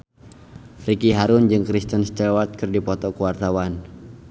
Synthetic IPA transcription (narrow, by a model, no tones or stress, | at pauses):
rikiɦaɾʊnd͡ʒɨŋkɾist̪ənst̪ɛwat̪̚kɨrdipɔt̪ɔkuwart̪awan